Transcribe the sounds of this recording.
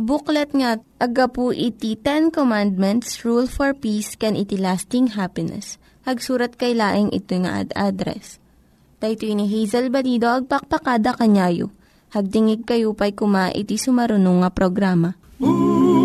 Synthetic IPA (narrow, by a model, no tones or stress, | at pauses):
bʊklɐt̪̚ŋaʔɐɡɐpuʔɪt̪it̪ɛnkomand̪̚mɛnt̪sɹulfoɹpiskɛnʔɪt̪ilast̪ɪŋɦapɪnɛ̰s | hɐɡsuːɾɐt̪̚kɐjlaːʔɪŋʔɪ̰t̪ojŋɐ̰ʔa̰d̪ʔa̰d̪ɾɛ̰s | t̪ɐjt̪oiniɦɛjzɐlbɐliːd̪o̞ʔɐɡ̚pɐk̚pɐkaːd̪ɐkɐɲaːjo̰ | hɐɡ̚t̪ɪŋɪɡ̚kɐjupɐjkʊmaʔɪ̰t̪isʊmɐɾʊnoŋːɐpɾoɡɾaːmɐ